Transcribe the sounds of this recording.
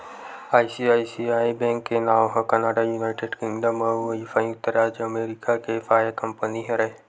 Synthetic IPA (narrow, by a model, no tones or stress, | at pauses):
aːisiaːisiaːibɛ̃ːŋkːenaːʋɦɐkɐnaːɖajuːnaːɪʈeɖkɪ̃ŋɡɖəmɐʋɐifaĩŋt̪ɐɾaːd͡ʒɐmeːɾikakefaːjakɐmpəniɦɛ̃ɾɐɦe